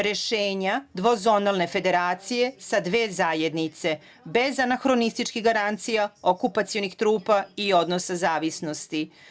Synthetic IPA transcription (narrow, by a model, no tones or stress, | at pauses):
ɾe̞ʃeːɲad̪ʋo̞zo̞nalˠne̞fe̞d̪e̞ɾaːt̪sije̞sad̪ʋe̞ːzaːjed̪nit̪se̞ | be̞zanaxɾo̞nist̪it͡ʃkiɣɡaɾant̪sijaokupat̪sijonixt̪ɾuːpaio̞d̪no̞sazaːʋisno̞st̪i